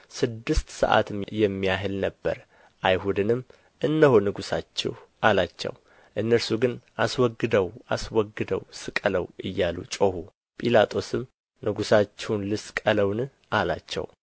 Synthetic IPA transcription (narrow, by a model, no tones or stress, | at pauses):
sɨd̪ːɨst̪sə̰ʔa̰t̪ʰɨmjɛmːijaɦɨlnəbːə̰ɾ | ʔajhud̪ɨnɨmː | ʔɨnːəhonɨɡusat͡ʃːɛ̰hʔalat͡ʃːɛ̰w | ʔɨnːəɾsuɡɨnʔaswɔɡːɨd̪əwʔaswɔɡːɨd̪əwsɨkʼələwʔɨjːalṵt͡ʃʼohu | pʼilat̪ʼo̞sɨm | nɨɡusat͡ʃːɛwnlɨskʼələwn | ʔalat͡ʃːɛ̰w